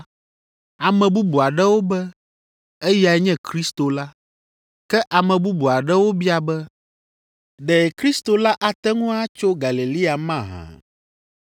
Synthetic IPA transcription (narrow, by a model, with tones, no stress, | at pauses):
a˨mɛ̃˨bu˦bu˨a˨ɖɛ˦wo˦bɛ˦ | e˦ja˨˦ɲɛ̃˦kɾi˦st̪o˨la˦ | kɛ˦ʔa˨mɛ̃˨bu˦bu˨a˨ɖɛ˦wo˦bi˦a˨bɛ˦ | ɖɛ˨kɾi˦st̪o˨la˦ʔa˨t̪ɛ˦ŋũ˦a˦t͡ʃo˦ɡa˨li˨li˦a˨mã˦˨ɦã̰˨